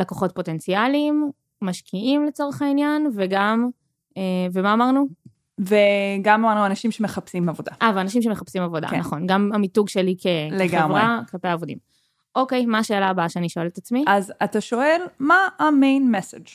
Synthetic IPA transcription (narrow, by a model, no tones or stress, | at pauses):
lakoχo̞t̚po̞te̞nt͡sialimː | aʃkʰiimlet͡so̞ʁeχainjanveɡam | evemaːmaʁnu | veɡamamaʁnuanaʃimʃemeχapsimavod̪a̰ʔaveanaʃ̬imʃe̞meχapsimavo̞d̪a̰naχo̞nɡamamituɡʃelikʰeleɡemvʁaklapejaːvodḭm | ʔo̞ke̞jmaːʃe̞ːlabaʃeaniʃoelet̪at͡smiazataʃo̞elmaamejnmesed͡ʒ